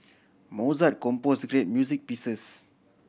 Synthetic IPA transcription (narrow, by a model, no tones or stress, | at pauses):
mɔzat̚kɔ̃mpɔsɡɾet̚mjuzik̚pisəs